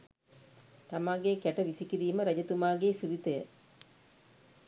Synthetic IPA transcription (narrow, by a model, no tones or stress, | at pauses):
t̪ɐmaːɡejkɛʈɐʋisikiɾiːməɾɐd͡ʒɐt̪umaːɡeːsiðit̪ɐjə